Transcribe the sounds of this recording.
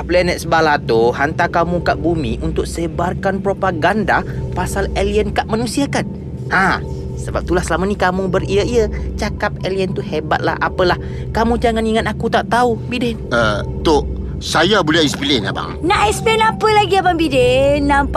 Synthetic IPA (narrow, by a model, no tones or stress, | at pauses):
plɛnɛt̪̚səbalat̪uhant̪akamũkaʔbumḭʔunt̪ʊk̚səbarkanpɾopaɡandapasaleliənkaʔmanũsiakan | hã | səba̰p̚t̪ulahsəlamənikamũbəriəiət͡ʃakap̚eliənt̪uhebat̪̚la̰hʔa̰pəlah | kamũd͡ʒaŋaniŋat̪akut̪aʔt̪aubidɪnə | t̪oʔ | sajabulɛispilɛna̰ba̰ŋnaʔispilɛnapəlaɡiabaŋbidenːãmp